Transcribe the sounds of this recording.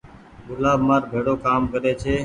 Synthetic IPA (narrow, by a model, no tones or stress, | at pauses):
ɡʊlaːbmaːɾbʱeːɽoːkaːmkəɾeːt͡ʃʰeː